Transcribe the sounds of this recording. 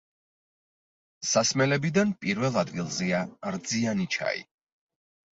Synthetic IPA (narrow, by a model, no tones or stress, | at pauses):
sasmɛlɛbid̪anpʼiɾvɛlˠad̪ɡilˠzɛaɾd̪zianit͡ʃʰa̰ḭ